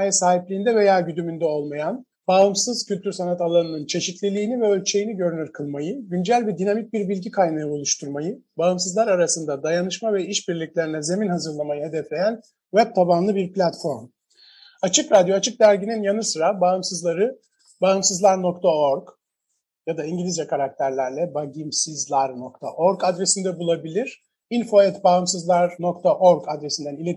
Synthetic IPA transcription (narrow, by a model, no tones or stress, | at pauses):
ajasaːɦiplʲiːnd̪ɛve̞jaːɟyd̪ymynd̪ɛo̞lˠmajan | baːɯmsɯz̥cylʲt̪ʰyɾsanat̪alˠanɯnɯnt͡ʃʰe̞ʃit̪lʲilʲiːnivɛø̞lʲt͡ʃʰe̞jiniɟø̞ɾynyɾkʰɯlˠmajɯɟynd͡ʒælʲbɛd̪inamic̚biɾbilʲɟikʰajnajɯolˠuʃt̪ʰuɾmajɯbaɯmsɯzlˠaɾaɾasɯnd̪ad̪ajanɯʃmavɛiʃbiɾlʲiclʲe̞ɾinɛze̞minɦazɯɾlˠamajɯɦe̞d̪ɛflʲe̞jæn | vɛb̚t̪ʰabanlˠɯbiɾplʲat̪fo̞ɾm | at͡ʃʰɯkɾad̪joat͡ʃʰɯk̚d̪æɾɟininjanɯsɯɾabaɯmsɯzlˠaɾɯ | baɯmsɯzlˠaɾno̞k̚t̪ʰaoɾɡ | jad̪aiɲɟilʲizjakʰaɾak̚t̪ʰæɾlʲæɾlʲɛbaɟimsizlˠaɾno̞kt̪ʰa̰ʔoɾɡad̪ɾesind̪ɛbulˠabilʲiɾ̥ | info̞ɛt̪baɯmsɯzlˠaɾno̞kt̪ʰaʔoɾɡad̪ɾesind̪ænilʲe